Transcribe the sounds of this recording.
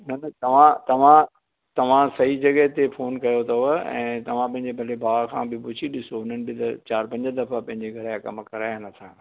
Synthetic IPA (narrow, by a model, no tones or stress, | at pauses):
nɐnɐt̪ɐʋ̤ãt̪ɐʋ̤ã | t̪ɐʋ̤ãsɐɦid͡ʑɐɠəɦt̪efoːnkɐjot̪ʰɐɛ̰̃ːt̪ɐʋ̤ãpɐ̃ɦɪ̃ɲd͡ʑebʱɐlebʱaːkʰãːbɪpʊd͡ʑʰiɗɪsoʊn̤ənɪ̆bɪt̪ɐt͡ɕaːɾpɐ̃ɲd͡ʑəd̪ɐfapɐ̃ɦɪ̃ɲd͡ʑeɡʱɐɾjãkɐmkɐɾaːjnɐt̪ʰãː